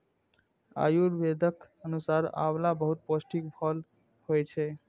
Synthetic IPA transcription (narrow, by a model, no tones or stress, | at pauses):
a̰juɾbed̪ʱək | ənusaɾa̰blabəɦut̪̚posʈʰikpʰʌl | hojt͡ʃʰe